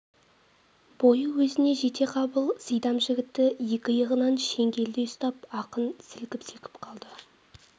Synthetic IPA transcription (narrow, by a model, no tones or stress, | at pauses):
b̥o̞jəwɵzɪne̞ʒe̞t̪ʰe̞qʰɑbəlˠsəjd̪ɑmʒɪɡʲɪt̪ːɪje̞kʲɪjəʁənɑnʃe̞ŋɡʲe̞ld̪ejʊst̪ɑp̚ɑqənsɪlkʲɪpsekʲɪ̥pqʰɑlˠd̪ə